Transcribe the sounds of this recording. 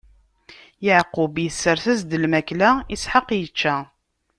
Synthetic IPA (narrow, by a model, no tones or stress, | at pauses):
jəʕqːʊbjəsːəɾθæzd̪əlmæklæisħəqːjət͡ʃːæ